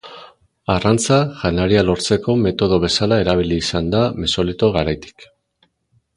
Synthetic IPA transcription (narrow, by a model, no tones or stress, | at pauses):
arant͡saʝanaɾialo̞ɾt͡se̞ko̞me̞t̪o̞ð̞o̞β̞e̞salae̞ɾaβ̞iliːsand̪ame̞so̞lit̪o̞ɣaɾajt̪i̥k